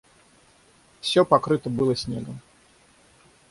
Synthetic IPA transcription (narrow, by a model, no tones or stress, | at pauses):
fsʲopɐkɾɨt̪əbɨlˠəsʲnʲe̞ɡəm